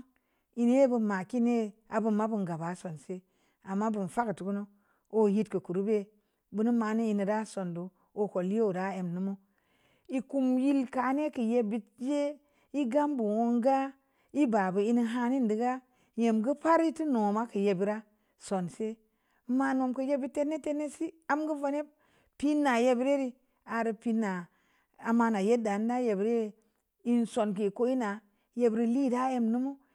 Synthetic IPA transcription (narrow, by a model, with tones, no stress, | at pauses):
i˦n˦e˦bu˧ma˨ki˦ne˦a˨bu˨mːa˦bu˨nɡa˨ba˨˦so˨nse˦ | a˨mːa˦bu˨n˨fa˦ktu˨ku˦no˦ | o˦˨ji˦tkə˨ku˨ɾu˦be˦ | bu˦nu˦ma˨˦ni˦i˦ni˨da˦so˨ndo˨ | o˨ko˨li˦o˦u˨da˦e˨mnu˦mo˦ | i˨ku˦mji˦lka˨˦ne˦ki˨je˦bi˦t̚je˦ | i˦ɡa˦mbu˨wo˦ŋɡa˦ | i˦ba˨bə˨i˧ni˧ɦa˧ni˦n˨di˨ɡa˦ | je˨mɡə˦pa˦ɾi˦ti˦no˨ma˦kɨ˨je˨bi˨ɾa˦ | so˨nse˦ | ma˧no˨mkə˨je˦bi˦tːe˦nːe˦te˦nːe˦si˦a˦mɡə˦va˧ne˦ | pi˦nːa˨je˦bi˦ɾe˦ɾi˧ | a˨ɾi˨pi˧nːa˨ | a˨ma˧na˨je˦da˨n˦da˦je˨bɾe˦˨ | i˦nso˨nki˨ko˦i˦na˨ | je˨˦bɾi˦li˦˨da˦je˦mnu˦mu˦